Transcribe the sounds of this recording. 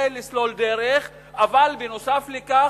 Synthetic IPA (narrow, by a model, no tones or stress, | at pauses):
elislo̞ld̪eɾeχ | avalbenosafleka